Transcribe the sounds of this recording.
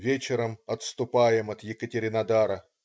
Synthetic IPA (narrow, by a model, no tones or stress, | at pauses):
vʲet͡ɕɪɾəmɐt̪st̪ʊpajɪmɐt̪jɪkətʲɪɾʲɪnɐd̪aɾə